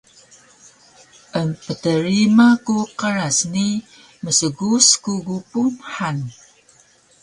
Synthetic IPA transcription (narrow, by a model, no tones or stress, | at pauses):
ʔəmpətəɾimakuqəɾasni | məsəɡuskuɡupumħan